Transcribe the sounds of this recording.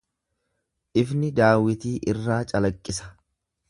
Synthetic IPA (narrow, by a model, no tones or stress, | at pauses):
ʔɪfnɪd̪aːwɪt̪iːʔɪrːaːt͡ʃʼɐlɐkʼːɪsɐ̥